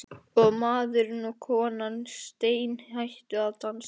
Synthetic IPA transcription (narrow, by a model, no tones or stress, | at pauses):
ɔɣmaːðʏɾnukʰɔːnanst̪eːjnhajht̪ʏaðt̪ans